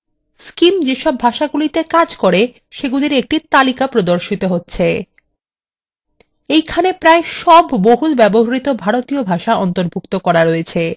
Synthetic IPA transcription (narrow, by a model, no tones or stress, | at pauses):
skimd͡ʑeʃɔbʱaʃaɡulit̪ekad͡ʑkoɾe | ʃeɡuliɾek̚ʈit̪alikapɾod̪oɾʃit̪oɦotːɕʰe | ejkʰanepɾaeʃɔbːoɦulbɛboɦaɾit̪obʱaɾot̪iobʱaʃaɔnt̪oɾbʱukt̪okɔɾaɾoet͡ɕʰe